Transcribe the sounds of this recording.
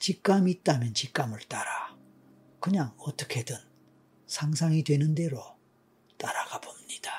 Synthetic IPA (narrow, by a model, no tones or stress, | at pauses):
t͡ɕik͈amit̚t͈amjʌnt͡ɕik͈amɯɭt͈aɾa | kɯɲaŋʌt͈ʌ̥kʰe̞dɯn | sʰaŋsʰaŋidwe̞nɯnde̞ɾo | t͈aɾaɡabomɲid̥a